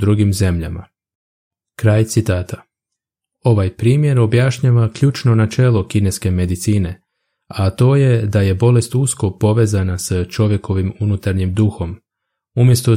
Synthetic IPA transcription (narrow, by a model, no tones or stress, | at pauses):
ɾuɡimze̞mʎa̰ma̰ | kɾajt̪sit̪aːt̪a | o̞ʋajpɾiːmje̞ɾo̞bjaʃɲaːʋakʎut͡ʃno̞nat͡ʃe̞ːlˠo̞kine̞ske̞me̞d̪it̪siːne̞ | at̪o̞ːje̞d̪aje̞bo̞le̞st̪usko̞po̞ʋe̞ːzanast͡ʃo̞ʋje̞ko̞ʋimunut̪aɾɲimd̪uxo̞m | umje̞st̪o